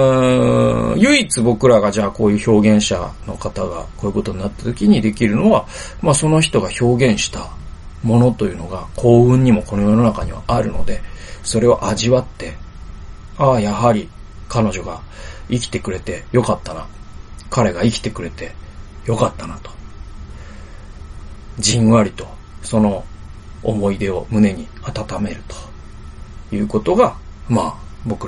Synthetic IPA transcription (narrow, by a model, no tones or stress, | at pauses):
ɯ̃ | jɯ̟it͡sɨbo̞kɯ̟ɾaɡaʑaːko̞ːjɯ̟ːço̞ːɡẽ̞ɰ̃ɕa̰no̞̰kat̪aɡa̰koːjɯ̟ko̞t̪o̞ɲ̟inat̪ːḁt̪o̞kʲiɲ̟id̪e̞kʲiɾɯ̟no̞βa | maso̞no̞çi̥t̪o̞ɡaço̞ːɡẽ̞ɰ̃ɕi̥t̪a | mo̞no̞t̪o̞jɯ̟ːno̞ɡakʰo̞ːɯ̟̃ɲ̟ːimo̞ko̞no̞jo̞no̞nakaɲ̟ḭβa̰ʔaɾɯ̟no̞̰d̪e̞so̞ɾe̞βa̰ʔaʑiβat̪ːe̞ | ajaɦaɾʲikano̞ʑo̞ɡaikʲi̥t̪e̞k̟ɾe̞t̪e̞jo̞kat̪ːanakaɾe̞ɡaikʲi̥t̪e̞kɯ̟ɾe̞t̪e̞jo̞kat̪ːanat̪o̥ | d͡ʑĩɰ̃βaɾʲit̪o̞ | so̞no̞̰ː | mo̞id̪e̞o̞mɯ̟ne̞ɲ̟i | at̪at̪ame̞ɾɯ̟t̪o̥ | jɯ̟ːko̞t̪o̞ɡa | maːbo̞kɯ̟